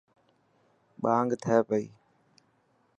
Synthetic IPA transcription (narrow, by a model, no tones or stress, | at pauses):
ɓaːŋɡt̪ʰəɛːpəḭː